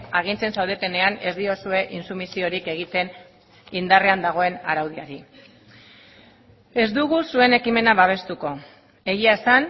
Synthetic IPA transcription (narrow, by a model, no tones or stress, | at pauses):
aɣ̞int͡se̞nsawð̞e̞t̪e̞ne̞ane̞zd̪io̞sue̞ʔinsumisio̞ɾike̞ɣit̪e̞n | ind̪are̞and̪aɣ̞o̞e̞na̰ɾawð̞iaɾi | e̞zd̪uɣusue̞ne̞kime̞naβaβ̞e̞st̪uko̞ | e̞ɣiae̞san